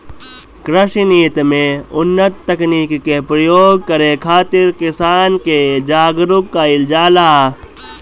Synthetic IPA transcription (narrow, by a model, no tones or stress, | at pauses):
kɾəʃiniːt̪mẽʊnːət̪ːɐkniːkːepɾəjoːɡ̚kəɾekʰaːt̪ɪɾkɪsaːnked͡ʒaːɡɾʊkːaɪld͡ʒaːlaː